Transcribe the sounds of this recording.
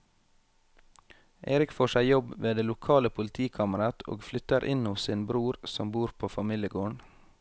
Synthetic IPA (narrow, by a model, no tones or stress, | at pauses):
ʔeːɾɪkfoːʃæɪjɔbʋeːd̪eːlʊkʰɑːləpʰʊlt̪ʰiːkʰɑməɾɑt̪ʰo̰ːɡflʏt̪əɾʔɪnʊsɪːnbɾuːɾsɔmbuːɾpʰoːfɑmiːljəɡoːɳ